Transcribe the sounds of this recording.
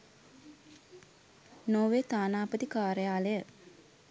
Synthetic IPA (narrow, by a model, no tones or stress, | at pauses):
noːʋeːt̪aːnaːpət̪ikaːɾəjaːləjə